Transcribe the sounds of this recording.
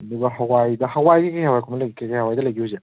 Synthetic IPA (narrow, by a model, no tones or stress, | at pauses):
ɐduɡɐɦawajdɐhawajɡikajhawajkʰomɐlɐɡikakajhawajdɐlɐjɡiuze